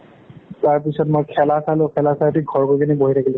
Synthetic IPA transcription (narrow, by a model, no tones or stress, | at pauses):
taɹp̬isɔtmojkʰɛlasalʊ̃kʰɛlasatiɡʱɔɹkojkʰiniboɦitʰakʰilɛ